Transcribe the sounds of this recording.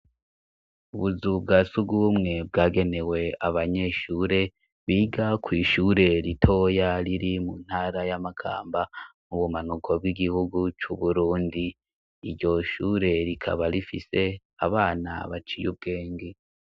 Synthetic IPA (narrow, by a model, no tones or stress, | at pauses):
uβuzubɡasubɡuumŋe̞b̚ɡaːɡe̞ne̞we̞aβaɲe̞ʃuːɾe̞ | βiːɡakwiːʃuːɾe̞ɾitʰo̞jaɾiɾimun̥haːɾajamakʰa̰ːmbamuβumanukʰo̞bɡiɡihuɡut͡ʃuβuɾuːndiː | ɾɟo̞ʃuːɾe̞ɾikʰa̰βaɾifḭse̞ | a̰βaːna̰βat͡ʃijṵb̚ɡe̞ːŋɡe